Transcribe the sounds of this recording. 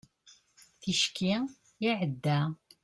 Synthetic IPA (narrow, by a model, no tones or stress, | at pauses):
θiʃkʰːi | iʕəd̪ːæ